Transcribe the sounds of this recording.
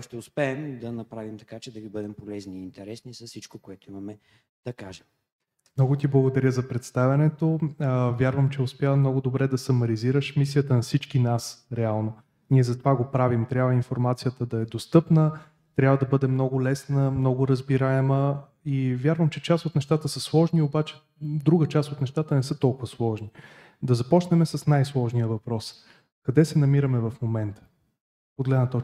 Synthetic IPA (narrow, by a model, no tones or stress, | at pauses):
ʃt̪ɛʊspɛːmd̪ɐnɐpɾavimt̪ɐ̥kat͡ʃɛd̪ɐvibɤd̪ɛmpolɛzniːnt̪ɛɾɛsnisɐsːit͡ʃkokoɛt̪oimɐmɛ | d̪̥ɐkaʒɛm | mnɔɡʊt̪iblˠɐɡod̪ɐɾʲjəzɐpɾɛt̪st̪avʲɛnɛt̪ovjaɾvəmt͡ʃɛʊspjavəmnɔɡʊd̪obɾɛd̪ɐsɐmɐɾiziɾəʃmis̬iət̪ənɐfsit͡ʃkinasɾɛalˠno | niɛzɐt̪ovaɡopɾavimt̪ɾʲjabvəinfoɾmat̪sijət̪əd̪ɐɛd̪ost̪ɤpnə | t̪ɾʲabvəd̪ɐbɤd̪ɛmnɔɡʊlɛsnəmnɔɡʊɾəzbiɾaɛmə | ivʲjaɾvəmt͡ʃɛt͡ʃasot̪nɛʃt̪at̪əsəslˠɔʒniobat͡ʃɛ̥ | d̪ɾuɡət͡ʃast̪ot̪nɛʃt̪at̪ənɛsɤt̪ɔlˠkʊvəslˠɔʒni | d̪ɐzɐpɔt͡ʃnɛmɛsɐsnajslˠɔʒniəvɐpɾɔs | kɐd̪ɛsɛnɐmiɾəmɛvɐfmomɛnt̪ə̥ | pod̪ɡlɛd̪nət̪ɔt͡ʃ